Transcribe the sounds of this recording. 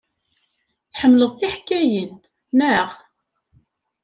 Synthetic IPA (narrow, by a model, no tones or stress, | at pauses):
θħəmːləðˤθiħkːæjənː | æʁ